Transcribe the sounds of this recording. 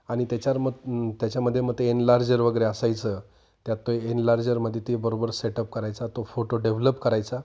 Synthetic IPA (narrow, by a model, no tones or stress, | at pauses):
aɽ̃it̪jat͡ɕaɾmət̪jat͡ɕjaməd̪ʱːjemət̪ːeenlaɾd͡ʑəɾʋəɡəɾeəsajt͡sə | t̪jat̪ːoenlaɾd͡ʑəɾməd̪ʱːjet̪ibəɾobəɾseʈəp̚kəɾajt͡sat̪ofoʈoɖeʋləpkəɾajt͡sa